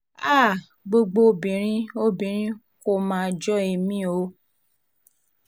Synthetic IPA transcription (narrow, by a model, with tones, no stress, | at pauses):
a˦˨ | ɡ͡bo˧ɡ͡bo˧˦bĩ˨ɾ̃ĩ˦o˦bĩ˨ɾ̃ĩ˦ | ko˦mãː˦d͡ʒɔ˦e˧˨mĩ˦o˨˦